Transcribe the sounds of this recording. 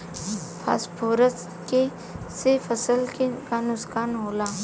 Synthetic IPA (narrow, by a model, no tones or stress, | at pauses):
pʰa̰ːspʰoːɾəs | ke | sefəsəlkekanʊskaːnɦoːlaː